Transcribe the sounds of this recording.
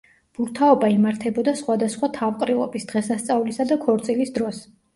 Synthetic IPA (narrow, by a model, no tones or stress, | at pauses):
b̥uɾt̪ʰaɔbaimaɾt̪ʰɛbɔd̪asχwad̪asχwat̪ʰavqʼɾilˠɔ̰bisd̪̥ʁɛsast̪sʼavlisad̪akʰɔɾt̪sʼilisd̪ɾɔs